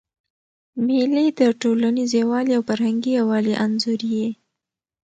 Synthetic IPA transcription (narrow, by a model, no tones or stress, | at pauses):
meled̪əʈolanizewɑliawfaɾɦaŋɡiawɑliʔanzuɾije